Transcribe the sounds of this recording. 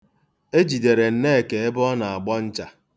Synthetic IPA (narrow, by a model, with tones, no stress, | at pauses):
e˦d͡ʒi˨de˨ɾe˨n̩˦ne˦e˨ke˨e˦bʊ˦ɔ˦na˨a˨ɡ͡bɔ˦n̩˦t͡ʃa˨